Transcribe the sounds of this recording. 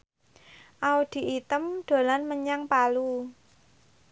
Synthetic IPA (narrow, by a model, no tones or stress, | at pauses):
ʔaud̪̥i̤ʔit̪əmɖ̪̥o̤lanməɲaŋpalu